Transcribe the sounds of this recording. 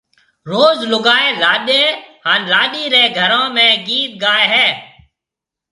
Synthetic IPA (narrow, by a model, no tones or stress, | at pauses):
ɾoːzlʊɡaːeːlaːɗeːhaːnlaːɗiːɾeːɡʱəɾãːmẽːɡiːt̪̚ɡaːeːɦɛː